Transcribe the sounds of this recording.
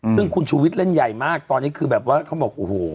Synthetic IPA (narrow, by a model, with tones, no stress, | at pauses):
sɯ˥˩ŋkʰu˧nt͡ɕʰuː˧wi˦˥t̪̚le˥˩nja˨˩jmaː˥˩k̚t̪ɔː˧nːiː˦˥kʰɯː˧bɛː˨˩p̚waː˥˩kʰa˧˥˩bɔː˨˩k̚ʔo˨hoː˨˩